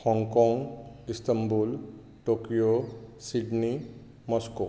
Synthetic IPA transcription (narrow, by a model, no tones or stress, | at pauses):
hɔŋɡkɔŋɡist̪əmbul | ʈokijosiɖni | mɔsko